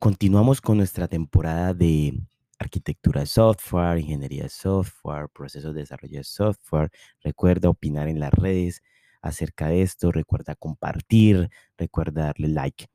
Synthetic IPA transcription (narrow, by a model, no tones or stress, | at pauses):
ko̞nt̪inwamo̞sko̞nːwe̞st̪ɾat̪e̞mpo̞ɾaðaðe̞ | aɾkit̪ek̚t̪uɾaðesoft̪weɾiŋxe̞njeɾia̰ðesoft̪weɾpɾo̞se̞sozd̪eesa̰ro̞̰ʝoðesoft̪̚weɾ | re̞kwe̞ɾd̪aopinaɾe̞nla̰sre̞ðes | a̰se̞ɾkaðee̞st̪o̞rʔekwe̞ɾd̪ako̞mpa̰ɾt̪iɾ | rekwe̞ɾd̪aðaɾle̞la̰jk